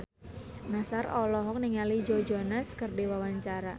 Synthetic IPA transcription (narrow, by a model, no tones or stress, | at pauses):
nasarɔlɔɦɔk̚niŋalid͡ʒod͡ʒonaskərdewawaɲt͡ʃaɾa